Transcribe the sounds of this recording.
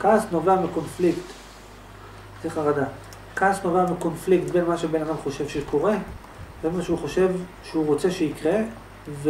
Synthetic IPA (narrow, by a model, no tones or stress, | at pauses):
kasno̞veamiko̞nflikt | siχaʁad̪a | kasno̞veamiko̞nflikt̪be̞nmaʃebe̞nad̪amχo̞ʃe̞vʃeko̞ʁe̞ | benmaʃeuχo̞ʃe̞vʃeuʁo̞t͡se̞ʃeikʁe̞ | v